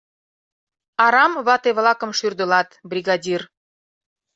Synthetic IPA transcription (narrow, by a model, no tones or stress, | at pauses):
ɑɾɑmβɑt̪eβlɑkə̆mʃyrd̪ə̆lɑt̪brʲiɣɑdʲir